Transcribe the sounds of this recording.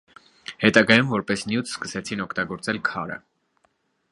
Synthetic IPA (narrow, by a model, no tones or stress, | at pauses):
hɛt̪ɑɡɑjumvɔɾpɛsnjut̪ʰskəsɛt͡sʰinɔkʰt̪ɑɡɔɾt͡sɛlkʰɑɾə̰